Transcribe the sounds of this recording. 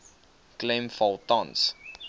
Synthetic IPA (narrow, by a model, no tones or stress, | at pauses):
klɛmfɔlˠtɑ̃ns